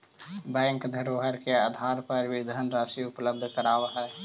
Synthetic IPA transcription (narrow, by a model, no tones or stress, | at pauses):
bɛ̃ŋkd̪ʱəɾɦəɾkeəd̪ʱaːɾpəɾbid̪ʱənɾaːsiʊpləb̚d̪ʱkəɾaːwɦɛː